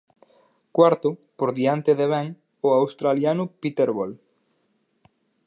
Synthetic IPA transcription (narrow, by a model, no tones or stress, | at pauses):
kwaɾt̪ʊpoɾðiant̪eðeβɛŋ | ʊawst̪ɾaljanʊpit̪eɾβol